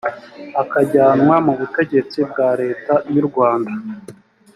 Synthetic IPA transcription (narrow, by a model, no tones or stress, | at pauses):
akaɟaːnwamuβute̞ɟe̞t͡sib̚ɡaːɾe̞ːtajuɾɡwaːnda